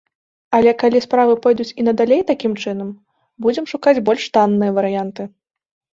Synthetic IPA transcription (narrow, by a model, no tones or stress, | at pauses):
ɐlʲɛkalʲispɾavɨpɔjd̪ut͡sʲinɐd̪alʲejt̪akʲimt͡ʂɨn̪ɐm | bud͡zʲɛmʂukad͡zʲbɔlʲʂt̪anːɨjɐvɐɾɨjant̪ɨ